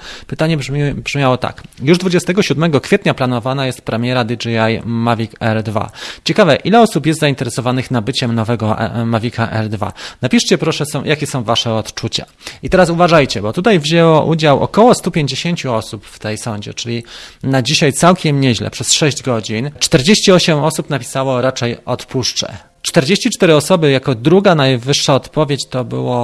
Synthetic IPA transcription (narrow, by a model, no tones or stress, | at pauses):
pɘt̪aɲɛbʐbʐmʲjawɔt̪a̰kjuʐd̪vud͡ʑɛst̪ɛɡɔɕud̪mɛɡɔkfʲjet̪ɲaplanɔvanajɛst̪̚pɾɛmʲjɛɾad̪id͡ʐiajmavʲikɛɾd̪va̰t͡ɕɛkavɛʔilɛɔsupjɛst̪zaint̪ɛɾɛsɔvanɘxnabɘt͡ɕɛmnɔvɛɡɔɛ̰mavʲikaʔɛ̰ɾd̪va̰napʲiʂt͡ɕɛpɾɔʂɛsɔ̃w̃jʔakʲɛsɔ̃w̃vaʂɛɔt̪t͡ʂut͡ɕa̰ | it̪ɛɾasuvaʐajt͡ɕɛbɔt̪ut̪ajvʑɛwɔʔud͡ʑawʔɔ̰kɔwɔst̪upʲjeɲd͡ʑeɕeɲt͡ɕuɔsupft̪ɛjsɔɲd͡ʑɛ̰t͡ʂɘlʲinad͡ʑiɕajt̪sawkʲɛmɲɛʑlɛ̰pʂɛsʂɛʑd͡ʑɡɔd͡ʑint͡ʂt̪ɛɾd͡ʑeɕt͡ɕiɔɕɛmɔsupnapʲi̥sawɔɾat͡ʂɛjɔt̪puʂt͡ʂɛ̰ | t͡ʂt̪ɛɾd͡ʑeɕt͡ɕit͡ʂt̪ɛɾɘɔsɔbɘjakɔd̪ɾuɡanajvɘʂːaɔt̪pɔvʲjet͡ɕt̪ɔbɘ̰wɔ